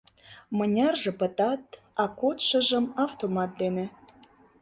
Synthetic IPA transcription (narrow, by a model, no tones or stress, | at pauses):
mɤ̆nʲɑrʒĕpə̆t̪ɑt̪ | ɑkot̪ʃɤ̆ʒə̆mɑft̪omɑt̪̚d̪enĕ